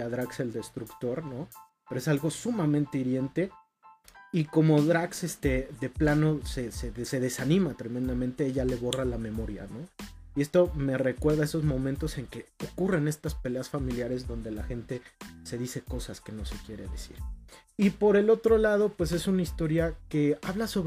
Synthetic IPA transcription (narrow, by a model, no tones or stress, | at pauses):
aðɾakse̞ld̪e̞st̪ɾukt̪o̞ɾno̞ | peɾoe̞salɣo̞sumamẽnt̪e̞iɾje̞nt̪e̞ | iko̞mo̞ðɾakse̞st̪e̞ðe̞plano̞sesese̞ðe̞sanĩmat̪ɾe̞mẽ̞nd̪amẽnt̪e̞eʝale̞βo̞ralame̞mo̞ɾja̰no̞ie̞st̪o̞me̞re̞kwe̞ɾðae̞so̞zmõ̞mẽnt̪o̞se̞ŋke̞o̞kure̞ne̞st̪aspe̞le̞asfamiljaɾe̞zðo̞nd̪e̞laxe̞nt̪e̞se̞ðise̞ko̞saske̞no̞se̞kje̞ɾe̞̰ðesḭɾipo̞ɾe̞lo̞t̪ɾo̞lað̞o̞pwe̞s̬e̞sunaist̪o̞ɾjake̞aβlaso̞β